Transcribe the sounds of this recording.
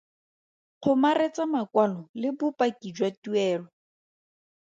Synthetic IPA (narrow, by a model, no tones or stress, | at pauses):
q͡χʰʊmaret͡samakwalɔlɪbʊpakid͡ʒwatuɛːlɔ